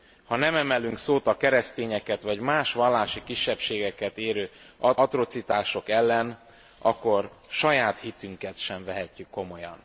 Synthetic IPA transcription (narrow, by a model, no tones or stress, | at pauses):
hɒnɛmɛmɛlyŋksoːt̪ɒkɛɾɛst̪eːɲɛkɛt̪ʋɒɟmaːʃʋɒlːaːʃikiʃːɛpʃeːɡɛkɛt̪eːɾøː | ɒɒt̪ro̞t̪sit̪aːʃo̞kɛlːɛn | ɒkːo̞r | ʃɒjaːt̪hit̪yŋkɛt̪ʃɛɱvɛɦɛcːykːo̞mo̞jɒ̰n